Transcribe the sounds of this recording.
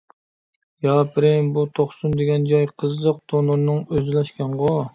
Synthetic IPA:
jɑpʰɪɾɪmbut̪ʰoχsund̪eɡʲɛnd͡ʒɑjqʰəzəq̚t̪ʰonɨɾnɨŋøzlɛʃkʲɛnʁo

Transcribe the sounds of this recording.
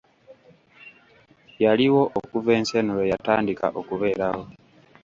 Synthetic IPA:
jaliwo̞ʔokuve̞ːnsenolojataːndika̰ʔo̞kuβe̞ːɾaho̞

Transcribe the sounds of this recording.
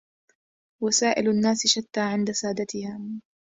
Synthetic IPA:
wasaːʔɪlanːaːsʃat̪ːaːʕɪnd̪asaːd̪at̪ɪhaː

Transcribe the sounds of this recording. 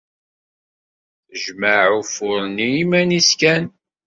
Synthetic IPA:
θəʒməʕufʊɾniimæniskæn

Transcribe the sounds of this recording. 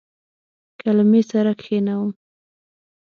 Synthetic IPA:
kalamesaɾakxenawəm

